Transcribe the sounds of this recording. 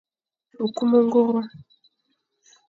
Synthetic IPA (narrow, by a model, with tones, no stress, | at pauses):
u˨ku˦mo˦ŋɡo˦ɾwa˦